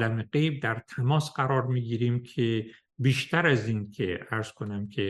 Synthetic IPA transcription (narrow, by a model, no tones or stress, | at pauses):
læmeɡejb̚d̪æɾt̪ʰæmɒːsɢæɾɒːɾmiːɡiːɾiːmkʰe | biːʃt̪ʰæɾæziːnkʲʰeæɾz̥kʰo̞næmkʲʰe